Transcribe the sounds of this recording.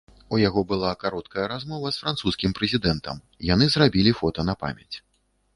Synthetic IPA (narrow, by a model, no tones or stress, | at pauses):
ujaɣɔbɨlˠakaɾɔt̪kɐjɐɾazmɔvɐsfɾant̪suskʲimpɾɛzʲid̪ɛnt̪ɐ̰m | janɨzrabʲilʲifɔt̪ɐnɐpa̰mʲɛ̰t͡sʲ